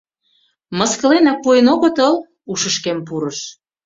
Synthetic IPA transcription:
mɤ̆skə̆lenɑk̚ːuenoɣət̪əl | uʃəʃkemp̬uɾəʃ

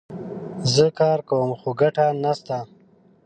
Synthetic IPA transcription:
zəkɑːɾkawəmxuɡaʈanast̪a

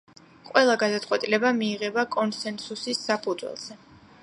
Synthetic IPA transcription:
qʼwɛlˠaɡad̪at̪sʼwɛt̪ʼilɛbamiːʁɛbakʼɔnsɛnsusisːapʰud̪zwɛ̰lˠz̥ɛ

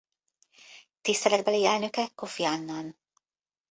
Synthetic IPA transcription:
t̪ist̪ɛlɛd̪̚bɛliɛlnøkɛkofiɑnːan

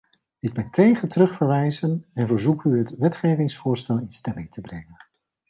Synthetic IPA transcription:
ɪɡ̚bɛjntejχətərɵχfəɹʋɛjzənɛnvəɹzukyɦətʋɛtχejvɪŋsfʊːɹstɛlˠɪnstɛmɪŋtʰəbrɛŋən

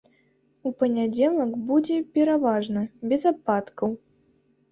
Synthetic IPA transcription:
upɐnʲad͡zʲɛlˠɐkbud͡zʲɛpʲɛɾavaʐnɐbʲɛzapat̪kɐw

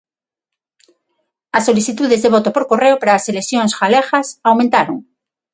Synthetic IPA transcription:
ɐsːoliθit̪uðezðeβot̪opoɾkoreopaɾaːseleθjõŋsxalexasawmẽnt̪aɾoŋ

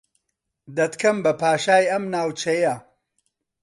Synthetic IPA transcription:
d̪ɐt̪kʰɐmbɐpʰaːʃaːjɐmnaːwt͡ʃɐjɐ

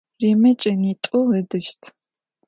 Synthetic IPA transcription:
reːmɐt͡ʃʼɐnitʼʊɛdɨʃtʰ

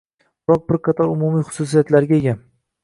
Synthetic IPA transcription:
bɪɾɒq̚bɪɾqʰɑt̪ʰɒɾʊmumijχʊ̥sus̬ijat̪laɾɡʲaeɡʲa

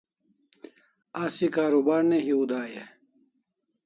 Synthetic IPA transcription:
asikaːɾubaːɾneɦiud̪aːje

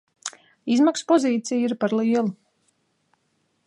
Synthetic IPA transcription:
izmakspɔziːt̪sʲijiɾpaɾlˠiːɛlˠu

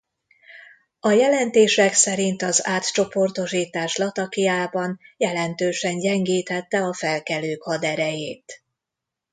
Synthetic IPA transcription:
ɒjɛlɛnt̪eːʃɛksɛɾint̪ɒzaːt̪t͡ʃo̞po̞rt̪o̞ʃiːt̪aːʃlɒt̪ɒkijaːbɒnjɛlɛnt̪øːʃɛɲɟɛŋɡiːt̪ɛt̪ːɛɒfɛlkɛløːkhɒd̪ɛɾɛjeːt̪

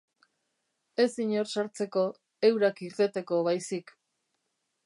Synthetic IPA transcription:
e̞siɲo̞ɾsaɾt͡se̞ko̞ | e̞wɾakiɾt̪e̞t̪e̞ko̞βajsik

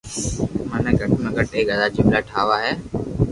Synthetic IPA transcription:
mãːnẽːɡʱəʈmẽːɡəʈeːɡəd̪aːt͡ʃɪmlaːʈʰaːʋaːɦɛː

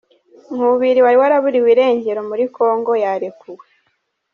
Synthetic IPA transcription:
ŋ̥uβuβiɾiwaɾiwaɾaβuɾiwiɾe̞ːɲɟe̞ɾo̞muɾikʰo̞ːŋɡo̞jaɾekuwe

